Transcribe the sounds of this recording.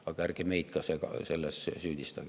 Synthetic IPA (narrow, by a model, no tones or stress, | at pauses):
ɑkærkemeit̪kɑsekɑ̰selːessyːd̪ist̪ɑ̰